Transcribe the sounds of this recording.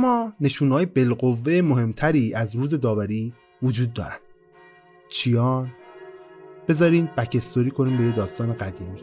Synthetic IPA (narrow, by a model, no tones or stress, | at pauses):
æmːɒːne̞ʃuːnɒːjebe̞lɢovːeemoɦe̞mt̪ʰæɾiːʔæzɾuːze̞d̪ɒːvæɾiː | vod͡ʒuːd̪̚ːɒ̰ːɾænd̪̥ | t͡ʃʰijɒːn | b̥e̞zɒːɾiːnd̪̚bæcʰe̞st̪oɾiːkʰo̞niːmbe̞jed̪ɒːst̪ɒːne̞ɡæd̪iːmiː